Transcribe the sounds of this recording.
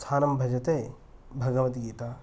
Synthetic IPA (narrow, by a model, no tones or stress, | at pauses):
t̪ʰaːnɐmbʱɐd͡ʒɐt̪eː | bʱɐɡɐʋɐt̪ɡiːt̪aː